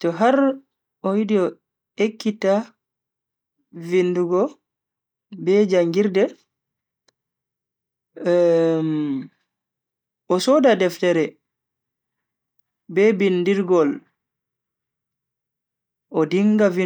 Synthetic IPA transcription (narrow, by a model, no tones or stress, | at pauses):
tɔɦaɾ | ɔwidiɔ | ekːita | vinduɡɔ | bɛd͡ʒaŋɡiɾdɛ | m | ɔsɔdadɛftɛɾɛ | bɛbindiɾɡɔl | ʔɔdiŋɡavi